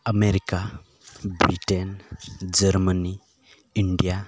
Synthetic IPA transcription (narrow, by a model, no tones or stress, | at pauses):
ameɾika | bɾiʈend͡zəɾməni | iɳɖija